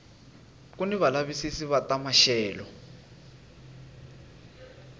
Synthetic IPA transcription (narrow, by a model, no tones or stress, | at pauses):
kuniβalaβisisiβatamaʃɛːlɔ